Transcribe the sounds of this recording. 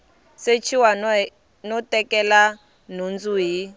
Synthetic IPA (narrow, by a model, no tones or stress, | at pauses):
set͡ʃʰiwa | nɔtɛkɛla | nund͡zuɦi